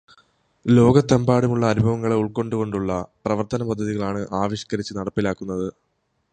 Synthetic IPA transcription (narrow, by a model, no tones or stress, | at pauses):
lo̞ːɡɐt̪ːɐmbaːɽumuɭːɐːnubʱɐʋɐŋːɐɭeuɭko̞ɳɖuɣo̞ɳɖuɭːɐprɐʋɐrt̪ɐnɐpɐd̪ʱːɐðiɣɐɭaːɳɨʔaːʋɐɕɐ̥kɐɾit͡ɕːɨnɐɽɐpːilaːkːunːɐðɨ